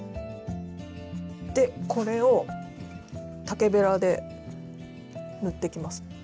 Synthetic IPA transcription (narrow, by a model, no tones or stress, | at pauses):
d̪̥e̞kʰo̞ɾe̞o̞ | t̪ake̞be̞ɾad̪e̞ | nɯ̟t̪ːe̞kʲimasɨ̥